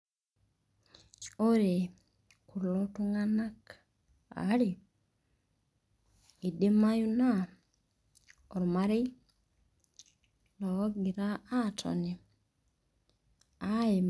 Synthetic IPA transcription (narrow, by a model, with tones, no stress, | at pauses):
o˦ɾe˨ | ku˨lɔ˦tu˦ŋa˦na˦k | a̰˨˦ɾe˨ | e˨de˦ma˦ju˦na˦ | ɔ˨ɾma˦ɾe˦ | lɔ˨˦ɡi˨ɾaː˦tʰɔ̰˨ni˨ | a˦e˨